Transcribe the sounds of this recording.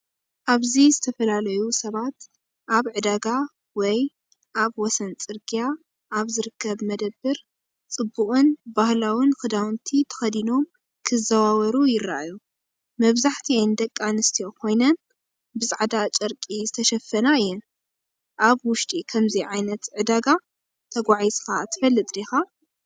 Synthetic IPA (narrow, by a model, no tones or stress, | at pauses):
ʔaβzizɨt̪ʰɐfɐlalɐjusɐβat̪ | ʔaβʕɨd̪aɡa | wɔj | ʔaβwɔsɐnt͡sʼɨɾɡija | ʔːβzɨɾɨkʰːɐβmɐd̪ɐbːɨɾ | t͡sʼɨbːuχʼɨnbahlawɨnxɨd̪awnt̪ʰit̪ʰɐ̥xɐd̪ino̞m | kʰɨzɐwawɐɾujɪɾa̰ʔaju | mɐβzaħt̪ʰiajnd̪ɐkʼːanɨst̪ʰijo̞kʰo̞jnɐn | bɨsʼaʕd̪at͡ʃʼɐɾkʼizɨt̪ʰɐʃɐfːɐnaɨjːɛn | ʔaβwʊʃt̪ʼikʰɐmziʕajnɐt̪ʕɨd̪aɡa | t̪ʰɐɡʷaʕizkʰat̪ʰɨ̥fɐlːɨt̪ʼd̪exa